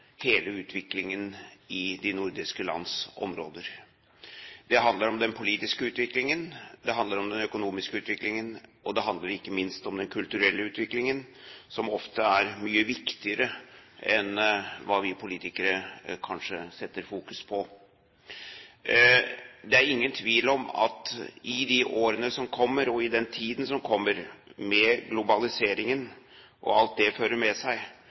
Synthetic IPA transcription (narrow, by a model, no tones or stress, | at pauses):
heːləʉːt̪ʰʋɪklɪŋənɪd̪ɪnʊɾd̪ɪskəlɑ̰nd̪sɔ̰mɾoːd̪əɾ | d̪ɛɦɑnd̪ləɾɔmd̪ɛnpʰʊliːt̪ɪskəʉːt̪ʋɪklɪŋənd̪ɛɦɑnd̪ləɾɔmd̪ɛnœkʊnuːmɪskəʉːt̪ʋɪklɪŋənɔd̪ɛɦɑnd̪ləɾɪkːəmɪnst̪ɔmd̪ɛnkʰʉlt̪ʉɾɛlːəʉːt̪ʋɪklɪŋənsɔmɔft̪əæɾmyːəʋɪkt̪ɪəɾəɛnʋɑːʋɪpʰʊliːt̪ɪkəɾəkʰɑnʂəsɛt̪ːəɾfuːkʉspʰɔ | d̪ɛæɾɪŋːənt̪ʰʋiːlɔmɑ̰t̪ʔɪd̪ɪʔoːɾənəsɔmkʰɔmːəɾɔɪd̪ɛnt̪ʰiːd̪n̩sɔmkʰɔmːəɾmɛɡlʊbɑlɪseːɾɪŋən | ʔɔ̰ɑlt̪̚d̪ɛføːɾəɾmɛsæɪ